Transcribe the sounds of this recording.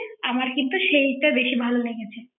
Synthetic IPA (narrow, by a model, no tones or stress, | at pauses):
amaɾkint̪uʃejʈabeʃibʱaloleɡet͡ɕʰe